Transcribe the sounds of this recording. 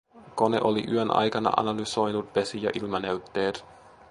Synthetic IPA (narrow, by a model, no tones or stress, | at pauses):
ko̞nḛʔoliʔyønʔɑ̰jkɑnɑ̰ʔɑ̰nɑlyso̞jnut̪̚pe̞sijɑ̰ʔilmɑneyt̪ːe̞ːt̪